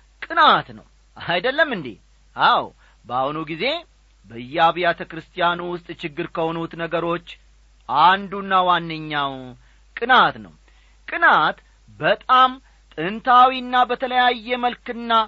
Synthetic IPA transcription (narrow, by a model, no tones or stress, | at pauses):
kʼɨnat̪nə̰w | ajd̪əlːəmːɨnd̪ḭ | ʔaw | bahunuɡize̞ | bəɨjːaβijat̪ʰəkɾɨst̪ʰʼijanuwʊst̪ʼt͡ʃɪɡːɨɾkəho̞nut̪nəɡəɾo̞t͡ʃː | ʔand̪unːawanːɨɲːaw | kʼɨnat̪nə̰w | kʼɨnat̪ | bət̪ʼam | t̪ʼɨnt̪ʰawinːabət̪ʰələjajːɛməlkɨnːa